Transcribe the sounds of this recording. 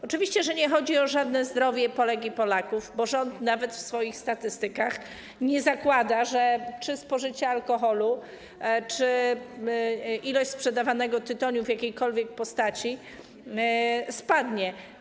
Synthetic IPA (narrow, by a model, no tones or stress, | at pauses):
ɔt͡ʂɘvʲiɕt͡ɕɛʐɛɲɛxɔd͡ʑiɔʐad̪nɛzd̪ɾɔvʲjɛpɔlɛɡʲipɔlakuvbɔʐɔnt̪navɛt̪fsfɔjixst̪at̪ɘst̪ɘkax | ɲɛzakwad̪aʐɛt͡ʂɘspɔʐɘt͡ɕɛalkɔxɔlu | t͡ʂɘ | ilɔɕt͡ɕspʂɛd̪avanɛɡɔt̪ɘt̪ɔɲuvjakʲejkɔlvʲjɛk̚pɔst̪at͡ɕi | spad̪ɲɛ